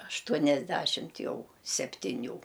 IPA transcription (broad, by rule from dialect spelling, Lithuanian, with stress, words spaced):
ɐʃˈtuɔnʲɛzʲˌdʲæʃʲɪmt ˈjɛʊ sʲɛpʲtʲɪˈnʲuː